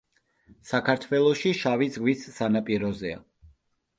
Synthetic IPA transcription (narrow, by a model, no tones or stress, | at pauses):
sakʰaɾt̪ʰwɛlˠɔʃiʃavizɡwisːanapʼiɾɔzɛa̰